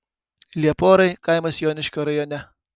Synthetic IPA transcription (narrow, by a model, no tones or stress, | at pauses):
lʲiɛpoːɾɐɪkɐɪmɐsjoːnʲɪʃʲkʲoɾɐjoːnʲɛ